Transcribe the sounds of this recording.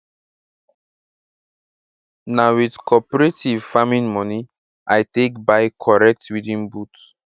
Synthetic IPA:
nawidkʰɔpɔɹetivfamĩnmɔni | ʔajtekbaɪkʰɔɹɛk̚twidĩnbut

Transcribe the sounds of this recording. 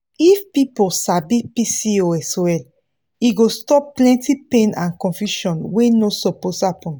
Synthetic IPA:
ifpipolsabipisioɛsoɛl | iɡostɔpplɛ̃ntipẽnãnkɔ̃nfjuʃɔ̃nwenosɔposhapɔ̃n

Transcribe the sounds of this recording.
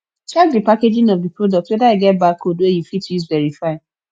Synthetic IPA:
t͡ʃak̚dipaked͡ʒɪ̃ŋɔfdipɾodɔk̚twedaeɡɛt̚bakoduejifitizvɛɾifaɪ

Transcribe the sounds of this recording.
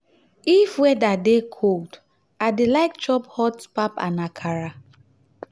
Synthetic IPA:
ifwɛdadekʰod | adelaɪkt͡ʃɔphɔtspapa̰nakʰaɹa

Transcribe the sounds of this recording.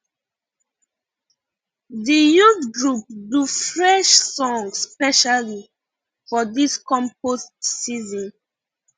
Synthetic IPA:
dijutɡɹup̚dufɹɛʃsɔ̃ŋsspɛʃali | fɔdiskɔ̃mpostsizɔ̃n

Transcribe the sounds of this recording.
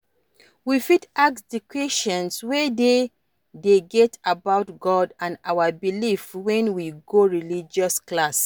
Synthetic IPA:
wifitaksdikʰweʃɔ̃nswede | deɡɛtʰabaʊtɡɔdãnawabilifwɛ̃nwiɡoɹilid͡ʒɔsklas

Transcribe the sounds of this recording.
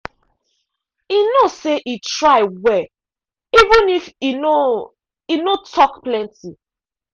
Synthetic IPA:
inoseʔitɹaɪwɛ | ivĩnifino | inotʰɔkplɛ̃nti

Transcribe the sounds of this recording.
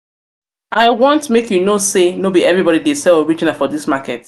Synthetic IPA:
aɪwɔ̃ntmekjunosenobiɛvɹibɔɾidesɛloɹid͡ʒinafɔdismakɛt

